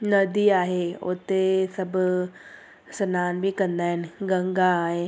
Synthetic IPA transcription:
nəd̪iaːɦeʊ̰t̪esəb | sənaːnbʱikəɾnd̪aːɦɛnɡə̃ŋɡaːɦe

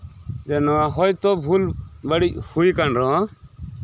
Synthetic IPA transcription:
d͡ʒɛnɔaɦɔjt̪ɔbʱulbəɽic̚hujkanɾɔ̃

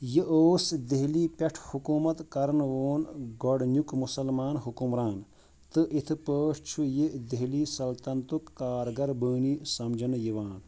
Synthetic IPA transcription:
jiʔoːsd̪eɦliːpʲeʈʰhukuːmɐt̪kɐɾɐnʋoːnɡɔɽnjukmusɐlmaːnɦukumɾaːn | t̪ɨʔit̪ʰɨpəːʂt͡ʃʰujed̪eɦliːsɐlt̪ɐnt̪ukːaːɾɡɐɾbəːnisɐmd͡ʒʱɐnɨjiʋaːn

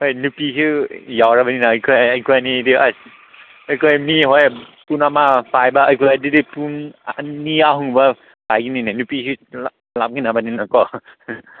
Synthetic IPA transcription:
hojnupikʰijawɾabaninaːjkʰɔjajkʰɔjanidiʔa | əjkʰɔjmiɦojpunamapʰajbaəjkʰɔjadidipunaniaɦuŋba | b̥ajɡininanupiki | lam̚kinabaninakɔ

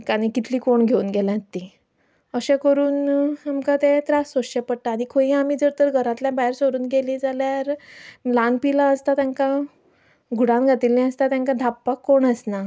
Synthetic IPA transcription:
kañikit̪ʰliːkoɳɡʱeuːnɡelãt̪i | əɕɛ̃kəɾuːnamkãt̪ẽt̪ɾasoɕɛpəɽʈaːñikʰoĩamid͡zəɾt̪əɾɡʱəɾãt̪ljãbaɦjɾsoɾuːnɡelĩd͡zaljaɾlãnpilaəst̪at̪jãŋka | ɡʱuɽãnɡʱat̪ilĩəst̪at̪jãŋkad̪ʱapːakːoɳəsna

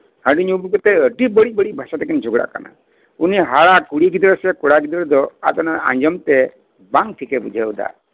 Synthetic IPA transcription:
həɖiɲubkɔt̪eəɖibəɽibəɽibʱasat̪ɛkind͡ʒʱoɡɽa̰ʔka̰na̰ | uniɦaɭakuɽiɡid̪ɾɔsɛkuɽaɡid̪ɾɔd̪ɔa̰t̪ɔnaã̰ɲd͡ʒɔmt̪e | baŋʈʰikebud͡ʒʱaud̪a̰

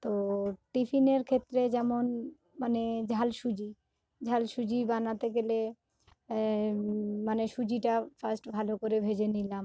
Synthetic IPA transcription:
t̪oʈifʰineɾkʰet̪ːɾed͡ʑɛmon | maned͡ʑʱalʃud͡ʑi | d͡ʑʱalʃud͡ʑibanat̪eɡele | maneʃud͡ʑiʈafʰasʈbʱalokoɾebʱed͡ʑenilam

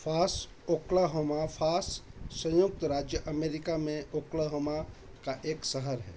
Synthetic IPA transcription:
fʰaːs | oklaɦoːmafʰaːsːə̃jʊk̚t̪ɾaːd͡ʒjəʔəmeːɾɪkamẽʔoklaɦoːma | kaʔeːksəɦəɾɦɛ̰ː

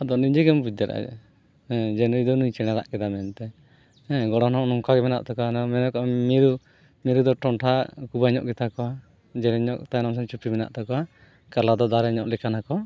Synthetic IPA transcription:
ɔd̪ɔniɲd͡ʒɛɡɛmbud̪aɾʔa̰ɛ̰ | hɛ̃d͡ʒɛnujd̪ɔnuɲt͡ʃɛɽ̃aɾa̰ʔkɛd̪amɛnt̪ɛ | hɛ̃ɡɔɽɔnɔʔnɔŋkaɡɛmɛna̰ʔt̪akɔanmɛnɔkɔamiɾu | miɾud̪ɔʈɔɳʈʰakubaɲɔ̰ʔɡɛt̪akɔwa | d͡ʒɛɾɛɲɔʔt̪ajnams̬ɔnt͡ʃupimɛna̰ʔt̪akɔwa | kalad̪ɔd̪aɾɛɲɔʔlɛkanakɔ

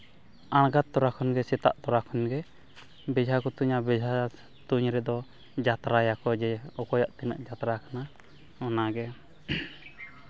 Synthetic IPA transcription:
anɡat̪̚ːɔɾakʰɔnɡɛsɛt̪a̰ʔt̪ɔɾakʰɔnɡɛ | bɛd͡ʒʱakɔt̪uɲabɛd͡ʒʱa | t̪uɲɾɛd̪ɔ | d͡ʒat̪ɾajakɔd͡ʒɛɔkɔjaʔt̪ɛna̰ʔd͡ʒat̪ɾakana | ɔnaɡɛ

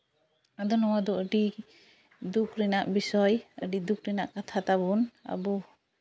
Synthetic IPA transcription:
ad̪ɔnɔwad̪ɔʔəɖi | d̪ukɾɛnaʔbisɔjə̰ɖid̪ukɾɛnaʔkat̪ʰat̪abɔna̰bɔ

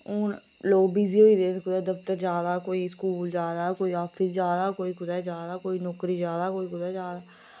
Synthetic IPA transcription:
ʊn | loːɡbiːziːɦoːiːd̪ẽːkʊd̪aːd̪əft̪əɾzjaːd̪aːkoːiːskuːld͡ʒjaːd̪aːkoːiːaːpʰɪsd͡ʒjaːd̪aːkoːiːkʊd̪aːzjaːd̪aːkoːiːnɔːkɾiːzjaːd̪aːkoːiːkʊd̪aːzaːd̪a

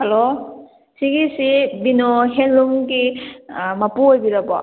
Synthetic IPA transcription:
hɐlo | siɡisibinoɦenluŋɡi | mapuojbiɾabɔ̰

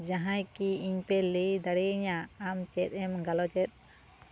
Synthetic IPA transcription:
d͡ʒaɦãjkiiɲpɛləjd̪aɽiɲaːmt͡ʃɛt̪̚ɛmɡalɔt͡ʃɛt̪̚

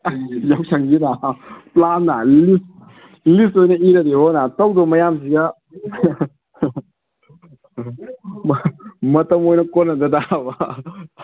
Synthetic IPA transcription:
jawsʰɐŋɡinaplanːalis | listojnɐiɾɐdeɦɔnatɐwdɔmɐjamsiɡa | mɐtɐmojnɐkonːɐd̪ɐdaba

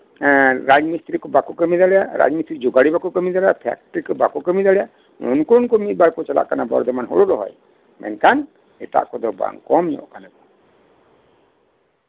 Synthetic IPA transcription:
ɾad͡ʒmist̪ɾikɔbakɔkəmid̪aɽɛjaɾa̰d͡ʒmist̪ɾid͡ʒoɡaɽibakɔkəmid̪aɛjapʰɛ̰k̚ʈɾikɔbakɔkəmid̪alɛjaʔ | mɔ̰nkɔnkɔmit̪̚baɾpɔt͡ʃala̰ʔkanabɔ̰ɾd̪ɛmanɦo̰ɽɔɾɔɦɔ̰j | mɛ̰nkan | ɛt̪a̰ʔkɔd̪ɔba̰ŋkɔmɲɔ̰̃ʔkanakɔ

